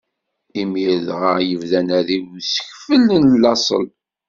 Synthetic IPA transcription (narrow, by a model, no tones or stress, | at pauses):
imiɾðʁəjəvðænæðiwsə̥çfəlːnlːɑsˤə̰l